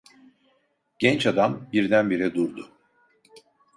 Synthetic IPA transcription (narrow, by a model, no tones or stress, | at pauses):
ɟ̥ɛnt͡ʃad̪ambiɾd̪ænbiɾɛd̪uɾd̪ʊ